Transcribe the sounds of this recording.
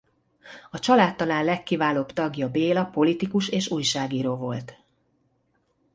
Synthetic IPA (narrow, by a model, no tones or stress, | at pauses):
ɒt͡ʃɒlaːt̪ːɒlaːnlɛkːivaːloːbt̪ɒɡjɒbeːlɒpo̞lit̪ikuʃeːʃuːjʃaːɡiːɾoːvo̞lt̪